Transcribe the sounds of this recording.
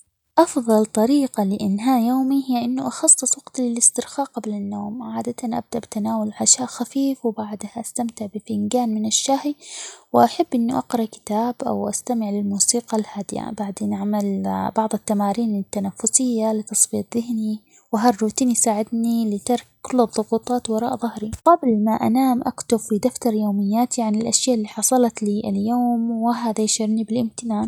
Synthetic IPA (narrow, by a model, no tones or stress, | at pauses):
ʔɑfðˤɑlt̪ˤɑɾiːqɑlɪʔɪnɦaːʔjoːmihɪjːaʔɪnːʊʔɑxɑsˤːɨsˤwɑɡ̥t̪lɪlɪst̪ɪɾxaːʔqablanːoːmʕaːd̪at̪anʔa̰b̚d̪aʔbɪt̪anaːwalʕaʃaːʔxafiːfwɪbaʕd̪haʔast̪amt̪ɪʕbɪfɪnɡaːnmɪnɪʃːahiwɪʔaħabːʔɪnːuʔɑqɾˤɑʔkɪ̥t̪aːbʔa̰wʔa̰st̪amɪʕlɪlmuːsiːqɑlhaːd̪ɪja̰baʕd̪eːnʔaʕmalbɑʕðˤɨt̪ːamaːɾiːnɪt̪ːanafːʊsɪjːalɪt̪ɑsˤbiːt̪ˤðɪhni | wɪɦarːuːt̪iːnijsaːʕɪd̪nilɪt̪ɑɾˤkːʊlːɨðˤːʊɣuːt̪ˤɑːt̪wɑɾˤɑːʔðˤʊhɾiqɑbɪlmaʔa̰naːmʔakt̪ʊbfid̪aft̪ɑɾˤjoːmɪjːaːt̪iʕanɪlʔaʃjaːʔɪlːiːħɑsˤɑlɑt̪liːʔɪljoːmwɪɦaːðajʃɪɾnibɪlʔɪmt̪ɪnaːn